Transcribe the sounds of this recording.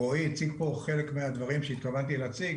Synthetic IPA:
oit͡siɡpo̞χe̞lekmead̪vaʁimʃeit̪kavant̪ilat͡siɡ

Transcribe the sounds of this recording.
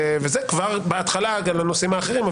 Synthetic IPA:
vezekvaʁbeat̪χalaɡamlano̞simaːχe̞ʁima

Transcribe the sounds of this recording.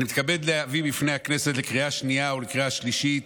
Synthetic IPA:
nimit̪kabe̞d̪leavibifne̞jhakne̞set̪lekʁiaʃniaolekʁiaʃliʃit

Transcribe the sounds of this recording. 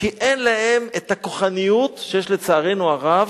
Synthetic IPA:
kiʔenlahemet̪akoχanijut̪ʃejeʃlet͡saːʁenuaʁav

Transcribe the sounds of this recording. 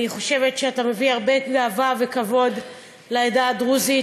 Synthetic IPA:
niχo̞ʃe̞vetʃeatame̞viaʁbe̞ɡaːvave̞kavo̞d̪ | laedad̪ʁuzi

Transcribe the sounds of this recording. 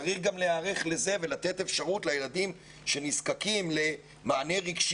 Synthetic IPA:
ʁiχɡamleaːʁeχle̞ze̞ve̞lat̪e̞t̪efʃaʁutlajelad̪im | ʃe̞niskakimle̞ | maːne̞ʁiɡʃ

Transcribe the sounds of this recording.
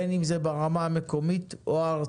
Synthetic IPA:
enimzebaʁamaːme̞ko̞mitoaːʁ

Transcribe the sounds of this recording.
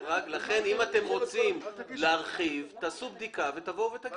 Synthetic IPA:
ʁaklaχe̞nimat̪e̞mʁo̞t͡simleaʁχivt̪aːsub̚d̪ikavet̪avo̞vet̪aɡ

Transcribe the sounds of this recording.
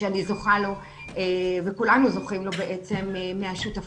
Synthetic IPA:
anizo̞χalo̞ | evekulanuzo̞χimlo̞beʔet͡se̞memːeaʃuta

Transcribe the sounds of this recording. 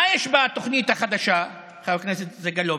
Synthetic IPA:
ajeʃbat̪oχnit̪haχad̪aʃa | χakneset̪zeɡalo

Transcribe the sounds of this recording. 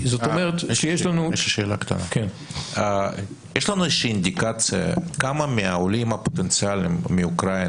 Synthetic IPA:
zot̪omeʁet̪ʃejeʃlanuʃʃeːlakḁt̪a̰naken | jeʃlanuezʃiind̪ikat͡sja̰kamameaolimapot̪ent͡sialimmeukɾain

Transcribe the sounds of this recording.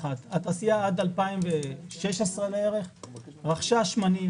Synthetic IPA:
at̪at̪asiaad̪alpaimveʃeʃesʁeleeʁeχʁaχʃaʃmani

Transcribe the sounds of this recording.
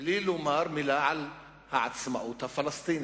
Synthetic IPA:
liːlumaːɾˤmɪlaʕal | ha̰ʕad̪smaʔuːt̪afɑlɑst̪ˤiːn

